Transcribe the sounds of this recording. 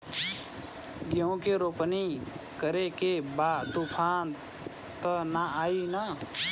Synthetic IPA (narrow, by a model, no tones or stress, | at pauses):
ɡeõkeɾoːpnikəɾekebaːt̪upʰaːn | t̪ənaaːina